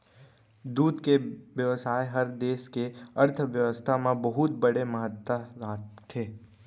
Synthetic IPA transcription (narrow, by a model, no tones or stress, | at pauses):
d̪uːd̪keʋjəʋəsaːjeɦɐɾd̪eːʃkeɐɾt̪ʰʋjəʋəst̪ʰamẽbɐɦʊt̪̚bɐɽeməɦət̪ːaɾaːt̪t̪ʰeː